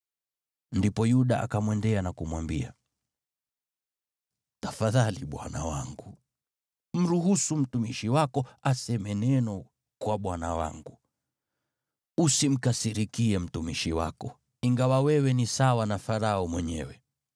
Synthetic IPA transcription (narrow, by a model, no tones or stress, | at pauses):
ndipɔjuɗaʔa̰kamwɛndɛanakumwambia̰ | tafaðaliɓwa̰na̰waŋɡu | m̩ɾuɦusum̩tumiʃiwakɔasɛmɛnɛnɔ | kwaɓwanawa̰ŋɡu | usim̩kasiɾikiɛm̩tumiʃiwa̰kɔ | iŋɡawawɛwɛnisawanafaɾaɔmwɛɲɛ̰wɛ